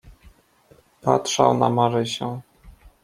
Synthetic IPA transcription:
patʂa̰wnamaɾɘɕɛ

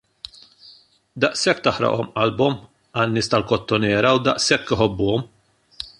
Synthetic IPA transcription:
d̪ɐʔsɛkːt̪ɐħɾɐ̰ʔɔmʔɐlbɔm | ɐnːɪːst̪ɐlkɔt̪ːɔnɛːɾɐwd̪ɐʔsɛkːɪħɔbːʊːɔm

